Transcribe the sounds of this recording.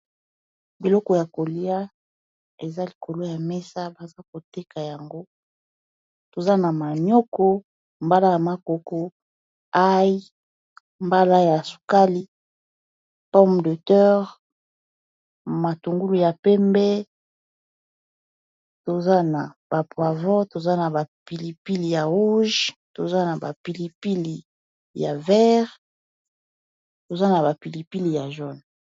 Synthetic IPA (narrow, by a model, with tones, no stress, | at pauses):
bi˨lɔ˦kɔ˨ja˨ko˨li˦a˦ | e˨za˦li˨kʰo˨lo˦ja˨mɛ˦sa˦ba˨za˦ko˨te˦ka˨ja˨ŋɡo˦ | to˨za˦na˨ma˨ɲo˦kɔ˦ | mba˦la˦ja˨ma˨ko˨ko˦ | a˦ji˦ | mba˦la˦ja˨su̥˨ka˦li˦ | pɔ˦m˨də˨tɛ˦ʁ | ma˨tu˨ŋɡu˦lu˨ja˨pɛ˦mbɛ˦ | to˨za˦na˨b̥a˨pwa˨vɔ˦to˨za˦na˨ba˨pi˨li˨pi˦li˨ja˨ʁu˦ʒto˨za˦na˨ba̰˨pi˨li˨pi˦li˨ | ja̰˨vɛ˦ʁ | to˨za˦na˨ba˨pi˨li˨pi˦li˨ja˨ʒɔ˦n